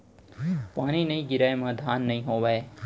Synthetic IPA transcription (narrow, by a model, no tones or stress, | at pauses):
paːɽ̃iːnɐĩɡɪɾajmãːd̪ʱaːnːɐĩːɦoːʋae